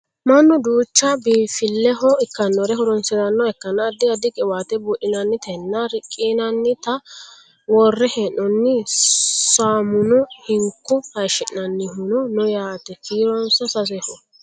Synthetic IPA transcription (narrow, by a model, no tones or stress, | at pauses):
mɐnːʊd̪uːt͡ʃːɐbiːfɪlːɛɦɔɪkːɐnːɔɾɛɦʊɾɔnsɪd̪ɐnːɔɛkːɐnad̪ɪɐd̪ɪkʼɪwaːt̪ɛbʊʔɪnɐnːɪt̪ɛnːɐɾɪkʼːiːnɐnːɪt̪ɐ | wɔrːɛhɛnːɔnːɪ | saːmʊnɔhɪŋkːʊhɐʃɛʔnɐnːɪɦʊnɔnɔjaːt̪ɛkʰiːɾɔnsɐsɐs̬ɛhɔ